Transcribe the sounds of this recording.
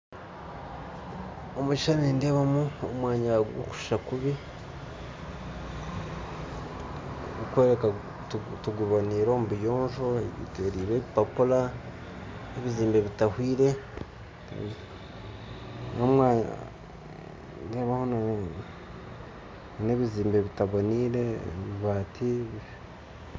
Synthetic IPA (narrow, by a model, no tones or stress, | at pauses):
omut͡ʃiʃaniinde̞ːβamuomwaːɲaɡo̰ku̥ʃu̥ʃakuβi | ukweːɾeka | tuɡuβaniːɾo̞ːmuβijoːnʒoeβḭteɾiːβeβipapula | eβiziːmbe̞βitahwiːɾe̞̰ | nomwaːɲa̰ | neːβahona | neβiziːmbe̞βitaβoniɾeβiβaːtʰiβ